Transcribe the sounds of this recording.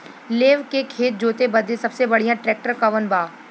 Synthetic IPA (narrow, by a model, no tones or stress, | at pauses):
leːʋkekʰeːt̪̚d͡ʒoːt̪ebɐd̪esɐbsebɐɽ̤ijãʈɾɛːk̚ʈəɾkɐʋənbaː